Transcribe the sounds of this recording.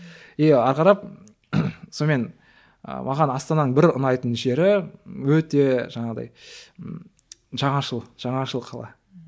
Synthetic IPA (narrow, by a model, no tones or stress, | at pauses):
eɑɾqɑɾɑp̚ | some̞n | ə̰mʔɑ̰ʁɑnɑst̪ɑnɑnəɴbɪɾʊnɑjt̪ənʒe̞ɾɪwɵt̪e̞ʒɑɴɑʁəd̪ɑ̰j | ʒɑɴɑʃəlˠʒ̥ɑɴɑʃəlˠqʰɑlˠɑ